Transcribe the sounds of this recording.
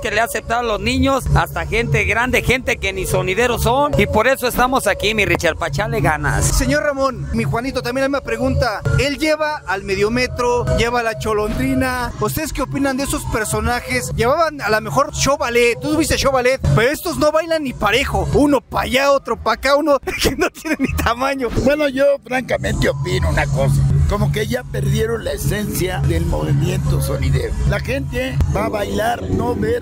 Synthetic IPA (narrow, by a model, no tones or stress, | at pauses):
keleasep̚t̪aðaloznĩɲosast̪axent̪eɣɾand̪exe̞nt̪ekenisoniðe̞ɾosonipo̞ɾe̞so̞est̪amo̞sakimirit͡ʃaɾpat͡ʃaleɣana̰sse̞ɲo̞ɾramõ̞nmixwanit̪̬ot̪ambjenamimapɾeɣunt̪ae̞lʝeβaːlme̞ðjo̞me̞t̪ɾoʝe̞βalat͡ʃo̞lo̞nd̪ɾinaus̬t̪e̞ðeskeopinand̪eeso̞speɾso̞naxesʝeβaβanalamexo̞ɾʃoβalett̪ːouβist̪eʃoβalet̪̚pe̞ɾoe̞st̪ozno̞βajlanːipaɾe̞xo̞uno̞paʝao̞t̪ɾo̞pakaunokeno̞t̪jenenːit̪ʰamãɲobwe̞no̞ʝo̞fɾaŋkamẽ̞nt̪eopinounakosako̞mo̞keʝape̞ɾðje̞ɾonlaese̞nsjaðelmoβimje̞nt̪osoniðḛβlaxe̞nt̪e̞baβajlaɾnoβeɾ